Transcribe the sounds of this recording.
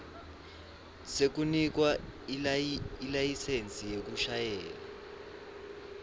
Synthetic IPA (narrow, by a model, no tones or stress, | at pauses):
sek̬unik̬wa | ilajisent͡sʼijek̬uʃajɛːla